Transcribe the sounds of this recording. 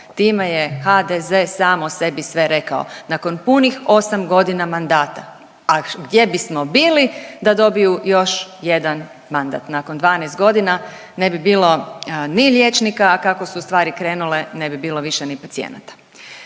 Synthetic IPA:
t̪iːme̞jexad̪eze̞saːmose̞bisʋe̞ɾe̞kao̰nako̞npunixo̞samɡo̞d̪inamand̪aːt̪a | aɡd̪je̞bismo̞biːlid̪ad̪o̞bijujo̞ʃje̞d̪an | mand̪a̰t̪nakond̪ʋaːnest̪̚ɡo̞d̪ina | ne̞bibiːlˠo̞nilʲjet͡ʃnikakakosust̪ʋaːɾikɾe̞ːnule̞ne̞bibiːlˠo̞ʋiʃenipat̪siḛna̰t̪ḁ

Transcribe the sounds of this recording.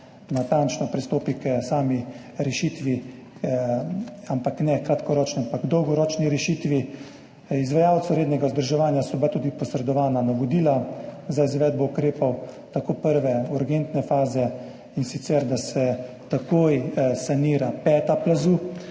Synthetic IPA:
nat̪ant͡ʃnɔpɾist̪oːpiksaːmi | ɾɛʃiːt̪ʋi | ampaknɛkɾat̪kɔɾɔːt͡ʃnɔampaɡd̪ɔwɡɔɾɔːt͡ʃniɾɛʃiːt̪ʋi | izʋajawt̪sɔɾeːd̪nɛɡazd̪əɾʒɛʋaːnjasɔbat̪uːd̪ipɔsɾɛd̪ɔʋaːnanaʋɔd̪iːlazaizʋɛːd̪̚bɔukɾeːpɔwt̪akoːpəɾʋɛuɾɡent̪nɛfaːzɛ | insit̪sɛɾd̪asɛ | t̪akoːjsaniːɾapɛːt̪aplazuː

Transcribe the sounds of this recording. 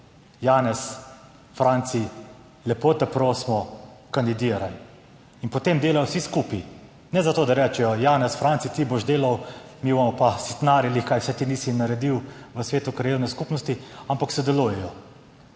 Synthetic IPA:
jaːnɛs | fɾant̪si | lɛpot̪ɛpɾoːsmɔkand̪id̪iːɾal | inpɔt̪emd̪eːlajɔwsiskupi | nɛzat̪oːd̪aɾɛːt͡ʃɛjɔjaːnɛsfɾant̪sit̪iboʒd̪eːlawmibomɔpast̪naːɾjalixkajwsɛt̪iniːsinaɾɛd̪iw | ʋəsʋeːt̪ukɾajeːwnɛskupnɔst̪iampaksɔd̪ɛlujɛjɔ

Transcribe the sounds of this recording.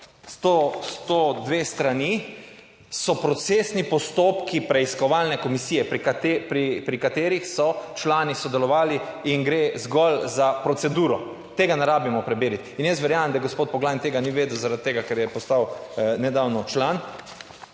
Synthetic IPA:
st̪ost̪od̪ʋeːst̪ɾani | sɔpɾɔt̪seːsnipɔst̪oːpkipɾɛiskɔʋalnɛkɔmisiːjɛpɾt̪pɾipɾikat̪eːɾixsɔt͡ʃlaːnisɔd̪ɛlɔʋaːliinɡɾezɡɔlzapɾɔt̪sɛd̪uːɾɔ | t̪eːɡanaɾaːbimɔpɾɛbeːɾit̪injəst̪ʋɛɾjaːmmd̪aɡospoːt̪̚pɔɡlajnt̪eːɡaniʋeːd̪wzaɾad̪̚t̪eːɡakɛɾjɛpɔst̪awnɛd̪awnɔt͡ʃlan

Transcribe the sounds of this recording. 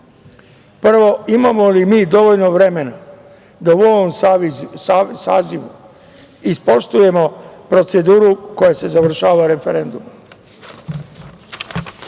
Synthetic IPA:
pr̩ʋo̞imamo̞limiːd̪o̞ʋo̞ʎno̞ʋɾe̞me̞na | d̪auoʋom | saːziʋu | ispo̞ʃt̪uje̞mo̞pɾo̞t̪se̞d̪uːɾuko̞jase̞zaʋr̩ʃaːʋaɾe̞fe̞ɾe̞nd̪um

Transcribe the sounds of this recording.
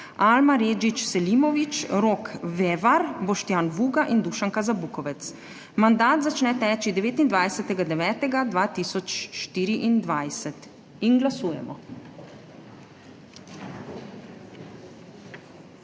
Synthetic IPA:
almaɾeːd͡ʒit͡ʃsɛlimɔʋit͡ʃɾoːkʋeːʋaɾbɔʃt̪jaːnʋuːɡaʔind̪uʃaŋkazabuːkɔʋɛt̪s | mand̪aːt̪zat͡ʃnɛt̪ɛːt͡ʃid̪ɛʋeːt̪ind̪ʋajsɛt̪ɛɡad̪ɛʋɛːt̪ɛɡad̪ʋaːt̪iːsɔt͡ʃʃt̪iːɾiʔind̪ʋajsɛt̪ | inɡlasuːjɛ̰mɔ̰

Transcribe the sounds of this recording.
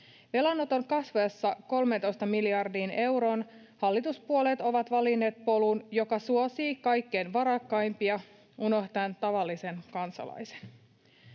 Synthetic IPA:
ʋelɑnːot̪o̞ŋkɑsʋoesːɑko̞lme̞nt̪o̞jst̪ɑmiliɑrdiːne̞wɾo̞ːn | hɑlːit̪uspuolet̪o̞ʋɑt̪ʋɑlinːe̞ːt̪̚po̞lunjo̞kɑsuosiːkɑjkːe̞ːnʋɑɾɑkːɑjmpiɑ | uno̞ht̪ɑnt̪ɑʋɑlːise̞nkɑnsɑ̰lɑ̰jse̥n

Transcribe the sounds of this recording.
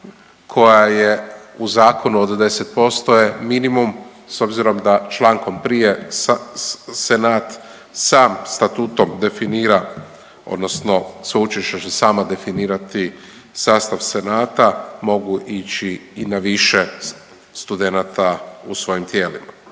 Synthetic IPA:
kʰo̞jajeuzaːkʰo̞nuod̪d̪e̞set̪̚po̞st̪ojeminimum | so̞bziɾo̞md̪at͡ʃlaːŋko̞mpɾije̞s | senaːt̪ | saːmst̪at̪uːt̪o̞md̪e̞finiːɾa | o̞̰d̪no̞sno̞sut͡ʃiʃet͡ɕesaːmad̪e̞finiːɾat̪i | saːst̪aʋse̞naːt̪amo̞ɡuʔit͡ʃiːnaʋiʃe | st̪ud̪enat̪ausʋo̞jimt̪jeːlḭma

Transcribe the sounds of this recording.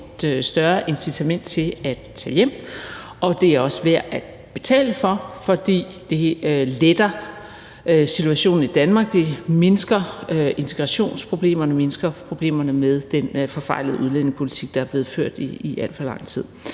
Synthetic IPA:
ed̥sd̥ɶɐʔe̝nsit͡sʰæmen̰d̥̚t͡sʰe̝læd̥t͡sʰɛ̰ːjem̰ | ʔɒ̽d̥e̝æɒ̽sʋæɐ̰æd̥ | b̥e̝t͡sʰɛ̰ːləfɒ̽fɒ̽d̥ḭː | d̥e̝øled̥ɐ | øsit͡sʰuæɕo̝̰ːn̩id̥ænmɑ̈ːɡ̥d̥e̝me̝nsɡ̥ɐʔe̝nt͡sʰeɡ̥ʁɑ̈ɕo̝̰ːnspʰʁo̝b̥le̝̰ːmɐnəme̝nsɡ̥ɐpʰʁo̝b̥le̝̰ːmɐnəmeð̞ˠd̥enfɒ̽fɑ̈ɪ̰ləð̩ˠuð̞ˠlen̰eŋpʰo̝lit͡sʰiɡ̥̚d̥ɑæɐb̥le̝ːð̩ˠføɐ̰d̥iiʔæl̰d̥fɒ̽lɑ̈ŋ̰t͡sʰið̞̰ˠ

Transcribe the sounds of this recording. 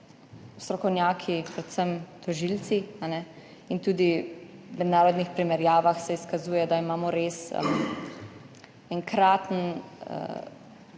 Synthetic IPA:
ust̪ɾɔkɔwnjaːkʰipɾɛt̪səmt̪ɔʒilt̪t͡s̪ianɛ | int̪uːd̪imɛd̪naːɾɔd̪nixpɾimɛɾjaːʋaxsɛiskazuːjɛd̪aimaːmɔɾeːsə̰m | ɛŋkɾaːt̪nə̰

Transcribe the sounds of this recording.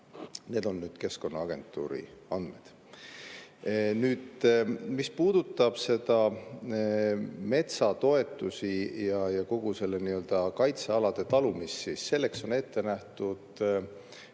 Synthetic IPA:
ne̞ːd̪o̞nːyːd̪̥ke̞sko̞nːɑɑɡ̥e̞̰nt̪ːˑṵːɾḭɑnd̪̥me̞d̪̥ | nyːd̪mispuːd̪̥ut̪ːˑɑb̥se̞d̪̥ɑ | me̞t̪sɑt̪o̞e̞t̪ːˑusijɑjɑko̞ɡ̥use̞lːeniø̞ld̪̥ɑkɑjt̪seɑlɑd̪̥e̞t̪ɑlumississe̞lːekso̞ne̞t̪ːe̞næht̪ud̪̥

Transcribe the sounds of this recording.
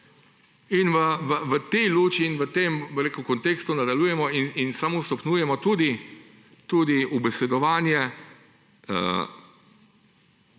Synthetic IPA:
inʋəʋəʋət̪ɛjloːt͡ʃiːnʋət̪eːmbəɾeːkukɔnt̪eːkst̪unad̪aluːjɛmɔininsamost̪ɔpnuːjɛmɔt̪uːd̪i | t̪uːd̪iʔubɛsɛd̪ɔʋaːnjɛ | ə̰

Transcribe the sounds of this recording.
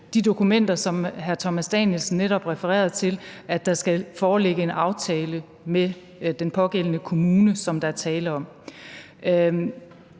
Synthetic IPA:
d̥id̥o̝kʰumen̰d̥ɐsɒ̽mɦæɐt͡sʰɒmæsd̥ɛ̰njelsn̩ːeɾɒ̽b̥ʁɛfəʁɛ̰ːɐðˠt͡sʰe̝lʔæ̥ɑ̈sɡ̥æfɒːleɡ̥əe̝nʔɑ̈ʊt͡sʰɛːlə | me | d̥enpʰɒ̽ɡ̥el̰ənəkʰo̝muːnəsɒ̽md̥ɑ̈æɐt͡sʰɛːlɐɒ̽m̰

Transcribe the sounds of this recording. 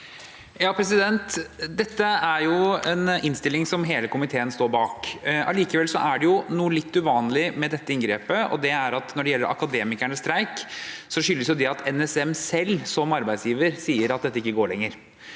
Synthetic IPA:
jɑːpʰɾɛsɪd̪ɛnt̪d̪ɛt̪ːəæɾjʊɛnɪnst̪ɪlːɪŋsɔmɦeːləkʊmɪt̪ʰeːənst̪oːɾbɑːkʔɑliːkəʋɛlsɔʔæɖɛjʊnuːəlɪt̪ːʉʋɑːnlɪmɛd̪ɛt̪ːəɪnɡɾeːpəɔ̰d̪ɛæɾɑt̪nɔɖɛjɛlːəɾʔɑ̰kɑd̪eːmɪkæɳəst̪ɾæɪksɔʂʏlːəsjʊd̪ɛɑt̪ʰɛnɛsɛmsɛlːsɔmɑɾbæɪsjiːʋəɾsiːəɾɑt̪d̪ɛt̪ːəɪkːəɡoːɭɛŋːəɾ

